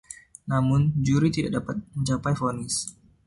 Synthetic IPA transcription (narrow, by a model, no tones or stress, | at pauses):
namʊnd͡ʒuɾit̪idaʔ̚dapat̪̚məɲt͡ʃapajfonɪs